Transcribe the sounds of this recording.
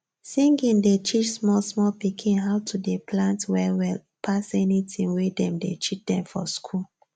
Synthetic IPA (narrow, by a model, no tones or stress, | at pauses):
sĩŋɡĩndet͡ʃit͡ʃsmɔlsmɔlpikʰĩnɦaʊtʰudeplãntwɛwɛl | pʰasɛnitʰĩnwedɛ̃mdet͡ʃit͡ʃdɛ̃mfɔ̰skʰul